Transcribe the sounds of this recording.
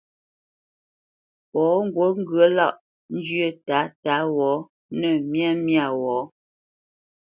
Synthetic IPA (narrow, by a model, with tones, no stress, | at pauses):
pɔː˨˦ŋ̩˨˦ɡwo˨˦ŋ̩˦ɡɰə˦la̰˦˨ʔ | n̩˦d͡ʒɥə˦˨ta˨˦ta˨˦wɔː˨˦ | nə˦˨mja˦˨mja˦˨wɔː˨˦